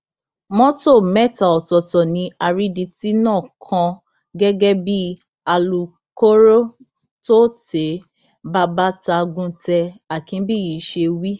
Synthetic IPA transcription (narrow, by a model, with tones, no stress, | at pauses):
mɔ̃˦to˦˨mɛ˦˨ta˨ɔ˨tɔ˨tɔ˨nĩ˧a˧ɾi˦di˧ti˦nãː˦˨kʰã˧ | ɡɛ˦ɡɛ˦bi˦ | a˧lu˨ | ko˦ɾo˦ | to˦te˨˦ | ba˦ba˦ta˧ɡũ˧˦tɛ˧a˨kĩ˧˦bi˦˨ji˨˦ʃe˧wi˦